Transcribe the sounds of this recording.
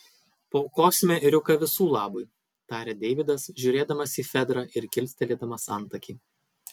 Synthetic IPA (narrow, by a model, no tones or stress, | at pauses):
poːkoːsʲmʲeɾʲʊkɐʋʲɪsuːlˠɑːbʊj | t̪ɑːɾʲeːd̪ʲɛɪʋʲɪd̪ɐsʒʲʊːɾʲeːd̪ɐmɐsʲiːfʲɛd̪ɾɑʔɪɾkʲɪlʲsʲt̪ʲɛlʲeːd̪ɐmɐsɐˑnˑt̪ɐkʲiː